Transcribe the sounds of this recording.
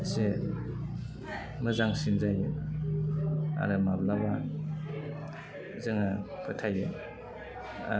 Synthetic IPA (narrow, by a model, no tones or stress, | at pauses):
se | mɯzaŋsinzajɯ | a̰ɾɯmablaba | zɯŋapʰɯtʰajɯ | a̰